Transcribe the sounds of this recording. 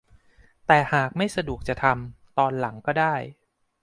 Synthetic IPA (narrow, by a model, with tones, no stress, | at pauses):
t̪ɛː˨˩haː˨˩k̚ma˥˩jsa˧du˨˩ək̚t͡ɕa˨˩t̪ʰa˧m | t̪ɔː˧nla˩˦ŋkɔː˥˩daː˥˩j